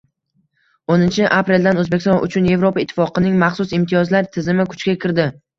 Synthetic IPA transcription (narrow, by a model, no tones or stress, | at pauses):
onɪnt͡ʃʰɪʔapɾe̞ld̪anɵzbekʲɪst̪ɒnʔʊ̰t͡ʃʰʊnje̞vɾopaɪt̪ʰːɪfɒqʰɨnɪŋmaχsʊsɪmt̪ʰijɒzlaɾt̪ʰɪzɪmɪkʰʊ̥t͡ʃkʲakʲʰɪɾd̪ɪ